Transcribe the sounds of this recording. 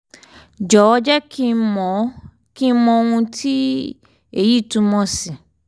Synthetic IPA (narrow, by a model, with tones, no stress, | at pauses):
d͡ʒɔ˨ɔ˦d͡ʒɛ˦kʰi˦˧˦mɔ̃˨˦ | ki˦mɔ̃˧o˧ŋũ˧tʰi˦ | e˨ji˦˨tũ˧mɔ̃˧˦si˨